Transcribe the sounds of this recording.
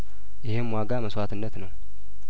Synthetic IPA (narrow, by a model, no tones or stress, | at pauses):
jɪhemwaɡaməswat̪ʰɨnːət̪nəw